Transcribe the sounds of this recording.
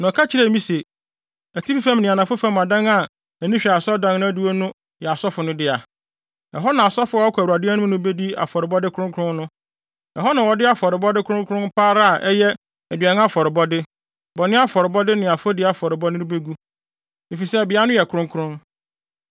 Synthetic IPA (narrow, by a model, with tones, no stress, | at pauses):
nɔ̃˨kʰa˦t͡ɕʰɪ˦ɾɛ˦˨mĩ˦se˨ | æ˨tʰi˦ɾfæ̃˦mnɪ̃˨a˨nã˨fʊ˦fã˦mːã˨dã˦ŋa˨ | æ˨nĩ˦ɕᶣa˨sɔ˦dã˦ŋnʊ̃˦æ˦du˦o˦nʊ̃˦ | jɛ˨a˨sɔ˦fʊ˨nʊ̃˦dɪ˦a˨ | ɛ˨ɦɔ˦nã˨a˨sɔ˦fʊ˦ɔ˦ɔ˦kʰu˨a˨dɛ˦nʊ̃˦nʊ̃˦be˦di˦a̰˨fɔ˨ɾɪ˨bɔ˦dɪ˦kʰɾʊ̃˦ŋkʰɾʊ̃˦nnʊ̃˦ | ɛ̰˨ɦɔ˦nã˨wɔ˨dɪ˦a˦fɔ˨ɾɪ˨bɔ˦dɪ˦kʰʊ̃˦ŋkʰʊ˦ɾʊ̃˦npʰa˦ɾa˦a˨ʔɛ˦jɛ˦ | ɛ˨dɥa˨nʊ̃˦a˦fɔ˨ɾɪ˨bɔ˦dɪ˦ | bɔ˨nɪ̃˦a˦fɔ˨ɾɪ˨bɔ˦dɪ˦nɪ̃˨a˨fʊ˦dɪ˦a˨fɔ˨ɾɪ˨bɔ˦nɪ̃˦nɪ˦be˦ɡu˦ | e˨fi˨sɛ˦˨bɪ˨a˦nʊ̃˦jɛ˨kʰʊ˨ɾʊ̃˦ŋkʰɾʊ̃˦n